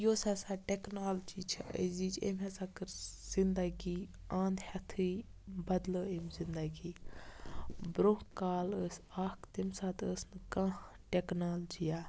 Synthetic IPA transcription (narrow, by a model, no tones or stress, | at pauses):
josɐsaːʈeknaːld͡ʒiːt͡ʃʰəziːt͡ʃʰḛmɦɛsakɨɾz̥ind̪ɐɡiː | ãːnd̪hɐt̪ʰɨbɐd̪ləemzind̪ɐɡiː | bɾõkaːləsaːkt̪imsaːt̪əsnɨkã | ʈeknaːld͡ʒijaː